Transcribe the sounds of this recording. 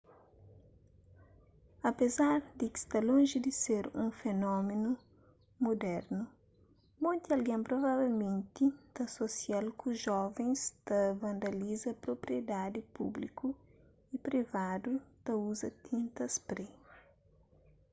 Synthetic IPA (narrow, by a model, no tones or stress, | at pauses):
ɐpezaɾd̪ɪki̥st̪alõŋʒid̪ɪseɾũŋfenɔmenu | mod̪ɛɾnu | mõnt̪iɐlɡɛ̃mpɾovavelmẽnt̪it̪ɐsosialkuʒɔvẽŋst̪ɐvɐ̃nd̪ɐlizɐpɾopɾied̪ad̪ipṵblikʰu | ipɾivad̪ut̪ɐuzɐt̪ʰĩnt̪ɐspɾe